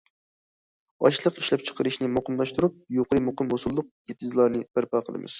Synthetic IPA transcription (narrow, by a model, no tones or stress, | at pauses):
ɑ̰ʃlˠəqiʃlɛp̚t͡ʃʰə̥qʰəɾɨʃnɪmoqʰəmlˠɑʃt̪uɾup̚joqəɾɨmoqəmhosulˠːʊq̚jet̪ʰɪzlˠɑɾnɨb̥æɾpɑqʰəlˠɨ̰mɨ̰z̥